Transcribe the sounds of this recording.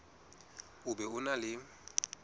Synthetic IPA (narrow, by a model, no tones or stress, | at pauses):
ʊbɛʊnalɪ